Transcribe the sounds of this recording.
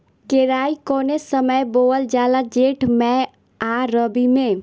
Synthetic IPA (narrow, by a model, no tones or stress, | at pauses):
keɾaikonesəməjboəld͡ʒalad͡ʒeʈmɛ | aɾəbime